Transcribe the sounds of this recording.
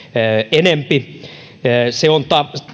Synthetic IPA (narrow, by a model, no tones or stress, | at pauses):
enempi | seont̪ɑ